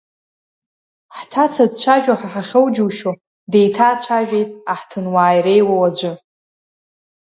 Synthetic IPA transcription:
ħtʰat͡sʰadt͡ɕʷʰaʒᶣaħaħaχʲowd͡ʒuwʃo | de̞jtʰaːt͡ɕʷʰaʒᶣe̞jtʼaħtʰɨnwaːjrejwawad͡ʒʷʊ

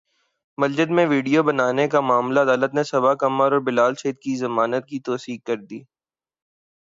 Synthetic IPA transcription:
mɐld͡ʒəd̪mẽʋiːɖijobɐnaːnekamʊaːmlaɐd̪aːlət̪nesɐbakɐmːəɾɔːɾbɪlaːlʃɐid̪̚kizɐmaːnət̪̚kit̪ɔːsiːkɐɾd̪iː

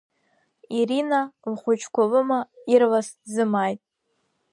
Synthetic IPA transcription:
iɾinalχʷʊt͡ʃʰkʷʰalɨmairlaszɨmajtʼ

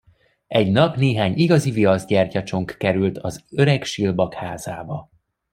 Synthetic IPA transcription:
ɛɟnɒpneːɦaːɲiɡɒziviɒzɟɛrcɒt͡ʃo̞ŋkːɛɾylt̪ʰɒzøɾɛkʃilbɒkhaːzaːbɒ

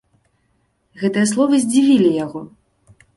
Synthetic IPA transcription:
ɣɛt̪ɨjɐslˠɔvɨzʲd͡zʲivʲilʲijaɣɔ

